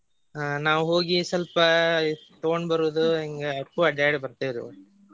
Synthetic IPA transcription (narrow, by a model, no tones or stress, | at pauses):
anaːʋuɦo̞ːɡisɐlpɐt̪oɡoɳɖbɐɾuʋud̪uiŋɡeɐʈːuɐɖaːɽibɐɾt̪iːʋd̪u